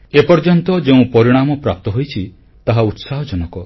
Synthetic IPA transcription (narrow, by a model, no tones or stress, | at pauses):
epɔɾd͡ʒɔnt̪ɔd͡ʒeũpɔɾiɽ̃amɔpɾap̚t̪ɔɦojt͡ʃʰi | t̪aɦaut̪saɦɔd͡ʒɔnɔkɔ